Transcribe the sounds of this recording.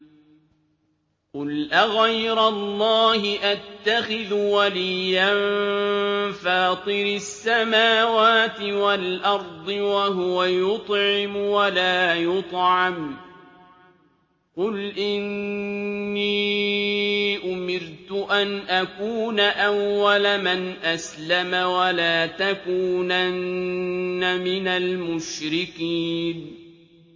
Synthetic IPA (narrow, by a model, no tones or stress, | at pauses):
qʊlʔaɣajɾalˤːɑːhɪʔat̪ːaxɪðwalɪjːan | faːt̪ˤɨɾɪsːamaːwaːt̪ɪwalʔɑɾˤd̪ˤɨwaɦʊwajʊt̪ˤʕɪmwalaːjʊt̪ˤʕɑm | qʊlʔɪnː | iː | ʔʊmɪɾt̪ʊʔanʔakuːnaʔawːalamanʔaslamawalaːt̪akuːnanː | amɪnalmʊʃɾɪkiːn